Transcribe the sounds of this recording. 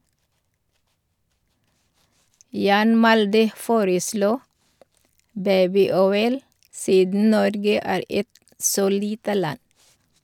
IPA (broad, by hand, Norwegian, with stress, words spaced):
ˈjɑːn ˈmɑldə ˈfoːɾəˌsluː ˈbæɪbɪˌɔʏl ˈsiːdn̩ ˈnɔɾɡə ˈæːɾ ˈɛt ˈsoː ˈliːtə ˈlɑn